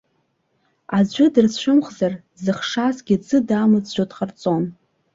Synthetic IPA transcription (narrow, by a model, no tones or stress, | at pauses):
ad͡ʑʷʊdɨrsʃʷʰʊmχzar | zɨχʂasɡʲit͡sʰʼɨdaːmɨd͡zʒʷᶣodχart͡sʼon